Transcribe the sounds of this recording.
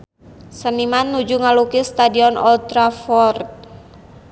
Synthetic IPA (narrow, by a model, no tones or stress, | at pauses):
sənimanːud͡ʒuŋalukist̪adiɔnɔ̰lt̪ɾafɔrt̪̚